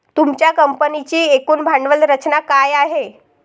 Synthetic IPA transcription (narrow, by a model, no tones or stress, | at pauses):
t̪umt͡ɕjakəmpənit͡ɕiːekuːnbʱaɳɖʋəlɾət͡ɕnakajaɦe